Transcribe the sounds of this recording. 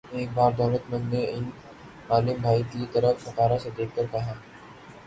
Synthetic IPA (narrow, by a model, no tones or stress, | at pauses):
eːk̚baːɾd̪aːlət̪mə̃nd̪neɪn | maːlɪmbʱaːit̪it̪əɾəfsɐkaːɾased̪eːk̚ʰk̪əɾkɐɦaː